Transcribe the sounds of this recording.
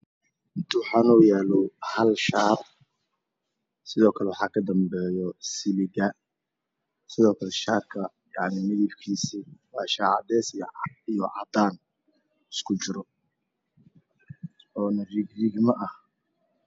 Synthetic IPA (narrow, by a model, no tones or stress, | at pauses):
hɪnt̪ʰʊwħɑːnɔjaːlɔwhɐlʃaːr | sɪðɔːkʰɐlɛwɑħɑːkʰɐd̪ɐmbɛːjɔsɪlɪɣɐ | sɪðɔːkʰɐlɛʃaːrkʰɐ | jɑʕnimɪðɪbkʰiːsiwɑːʃaːʕɑ̰d̪ɛːsijijɔʕɑ̰d̪aːn | ɪskʰʊt͡ʃɪɾɔ | ɔːnɐriɡɾiɡmɐʔɐh